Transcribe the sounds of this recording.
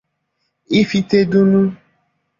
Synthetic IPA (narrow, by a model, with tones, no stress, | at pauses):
i˦fi˨t̪e˦ɖu˦nũ˦